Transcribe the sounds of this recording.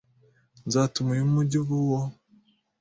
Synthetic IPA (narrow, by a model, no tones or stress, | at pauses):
nzaːtumijimumuɟiβuwo